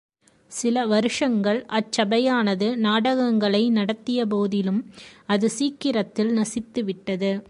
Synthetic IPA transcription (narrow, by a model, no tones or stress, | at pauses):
sɪlɐʋɐɾɯʂɐŋɡɐɭʔɐt͡ʃːɐbɐjaːnɐðɯnaːɽɐɣɐŋɡɐɭɐɪnɐɽɐt̪ːɪjɐp̬oːðɪlɯmɐðɯsiːkːɪɾɐt̪ːɪlnɐsɪt̪ːɯʋɪʈːɐðɯ